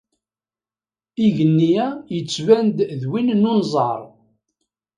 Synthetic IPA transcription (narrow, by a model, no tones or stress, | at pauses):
iʝənːijæjət͡sːvænd̪ðwinnunzˤə̰ɾˤ